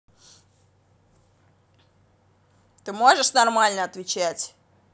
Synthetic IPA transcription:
t̪ɨmo̞ʐɨʂnɐrmalʲnəɐt̪vʲɪt͡ɕætʲ

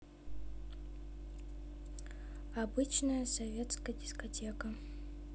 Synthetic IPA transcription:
abɨt͡ɕnəjəsɐvʲet̪skɐjdʲɪskɐtʲekə

